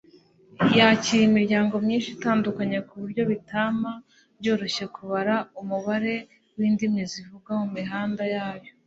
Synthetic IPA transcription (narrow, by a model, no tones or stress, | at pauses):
jaciɾimiɾɟaːŋɡo̞mɲiːnʃitaːndukaɲekuβuɾɟo̞βitama | bɟo̞ːɾo̞ɕekuβaɾaumuβaɾe̞ | wiːndimɲezivuɡamumiɦaːndajaːjo̞